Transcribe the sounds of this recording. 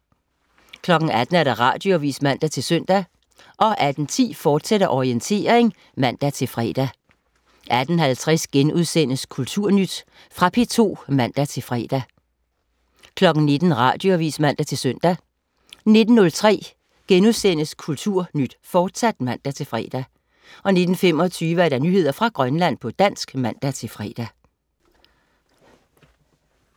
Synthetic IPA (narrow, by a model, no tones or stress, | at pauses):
kʰlɒ̽ɡ̥n̩æd̥n̩æɐ̥ɑ̈ʁɑ̈ːd̥joʋḭːsmæn̰d̥æt͡sʰe̝lsøn̰d̥æ | ʔɒ̽ʔæd̥n̩t͡sʰḭːfɒːd̥seɾɐʔɒient͡sʰe̝̰ːɐeŋ | mæn̰d̥æt͡sʰe̝lfʁɛ̰ːd̥æ | ʔæd̥n̩hælt͡sʰʁɛsɡ̥enuð̞ˠsen̰əskʰult͡sʰuɐ̰nyd̥ | fʁɑ̈pʰe̝t͡sʰo̝̰ːmæn̰d̥æt͡sʰe̝lfʁɛ̰ːd̥æ | kʰlɒ̽ɡ̥n̩ne̝d̥n̩ʁɑ̰̈ːd̥jo̝æʋḭːsmæn̰d̥æt͡sʰe̝lsøn̰d̥æ | ne̝d̥n̩nɔ̽lt͡sʰʁɛ̰ː | ɡ̥enuðˠsen̰əskʰult͡sʰuɐ̰nyd̥fɒːd̥sæd̥mæn̰d̥æt͡sʰe̝lfʁɛ̰ːd̥æ | ʔɒ̽ne̝d̥n̩fem̰ɒ̽t͡sʰyːʋəæɐɾ̥ɑ̈nyːhe̝ð̰ˠɐfʁɑ̈ɡ̥ʁɶnlæn̰pʰɒ̽d̥æn̰sɡ̥mæn̰d̥æt͡sʰe̝lfʁɛ̰ːd̥æ